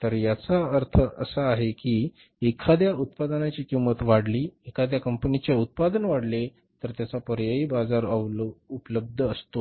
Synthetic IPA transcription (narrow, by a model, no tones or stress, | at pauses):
t̪əɾjat͡saəɾt̪ʰəə̰səaɦekiː | ekʰad̪jaut̪̚pad̪ənat͡ɕiːkimət̪ʋaɽliːekʰad̪jakəmpənit͡ɕjaut̪̚pad̪ənʋaɽle | t̪əɾt̪jat͡sapəɾjəiːbad͡zaɾəupləb̚d̪ʱəəst̪o